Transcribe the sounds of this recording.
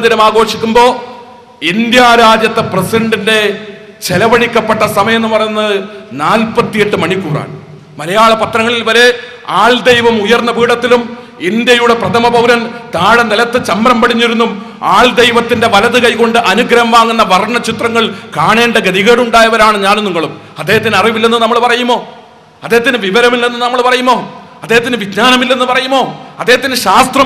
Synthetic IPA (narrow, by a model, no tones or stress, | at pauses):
d̪iɾɐmaːɡo̞ːʂikʲːumbo̞ː | ind̪jaːɾaːd͡ʑjɐt̪ːepresiɳɖinde̞ | t͡ɕelɐʋɐɽikʲːɐpːeʈːɐsɐmɐjɐenːɨpɐrɐjunːɐðɨnaːlpɐt̪ːije̞ʈːɨmɐɳikːuːra̰ːɳ | mɐlɐjaːɭɐpɐt̪rɐŋːɐɭilʋɐɾe̞ | aːɭd̪ejʋɐmujɐrnːɐpiːɽɐt̪ːilum | ind̪jɐjuɽe̞prɐt̪ʰɐmɐbɐwɾɐnt̪aːɽɐnɐlɐt̪ːɨt͡ɕɐmbɾɐmpɐɽiɲːiɾunːum | aːɭd̪ejʋɐt̪ːinde̞ʋɐlɐðɨkɐjko̞ɳɖɨʔɐnuɡɾɐɐmʋaːŋːunːɐʋɐrɳɐt͡ɕit̪rɐŋːɐɭkaːɳe̞ːɳɖeɡɐðiɣeːɽuɳɖaːjɐʋɐɾaːɳɨɲaːnniŋːɐɭum | ɐd̪ːeːɦɐt̪ːinɐriʋilːenːɨnɐmːɐɭpɐrɐjumo̞ː | ɐd̪ːeɦɐt̪ːinɨʋiʋɐɾɐmilːenːɨnɐmːɐɭpɐrɐjumo̞ː | ɐd̪ːeːɦɐt̪ːinɨʋidnaːnɐmilːe̞nːɨpɐrɐjumo̞ːɐd̪ːeɦɐt̪ːinɨɕaːst̪rɐm